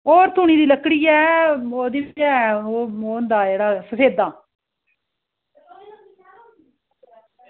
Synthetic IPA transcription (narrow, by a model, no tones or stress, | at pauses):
oːɾt̪ʊːɳ̃iːd̪iːləkːɽiːɛːoːd̪iːd͡ʒɛːoːoːnd̪aːd͡ʒeːɽaːsəseːd̪aː